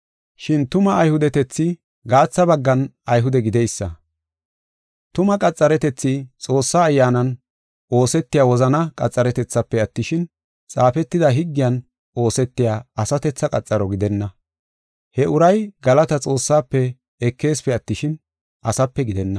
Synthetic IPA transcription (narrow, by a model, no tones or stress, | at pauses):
ʃɪnt̪ʊmɐːjhʊd̪ɛt̪ɛt͡sːɪ | ɡaːt͡sːɐbɐɡːɐnɐjɦʊd̪ɛɡɪd̪ɛjsːɐ | t̪ʊmɐkʼɐt͡sʼːɐɾɛt̪ɛt͡sːɪt͡sʼo̞ːsːaːjːaːnɐn | ʔo̞ːsɛt̪ːɪjaːwɔzɐnɐkʼɐt͡sʼːɐɾɛt̪ɛt͡sːɐpːɛɐt̪ːɪʃɪn | t͡sʼaːfɛt̪ːɪd̪ɐɦɪɡːɪjɐn | o̞ːsɛt̪ːɪjaːɐsɐt̪ɛt͡sːɐkʼɐt͡sʼːɐɾɔɡɪd̪ɛnːɐ | hɛʔʊɾɐjɡɐlɐt̪ɐt͡sʼo̞ːsːaːpːɛ | ɛkːe̞ːspɛɐt̪ːɪʃɪn | ʔɐsɐpːɛɡɪd̪ɛnːɐ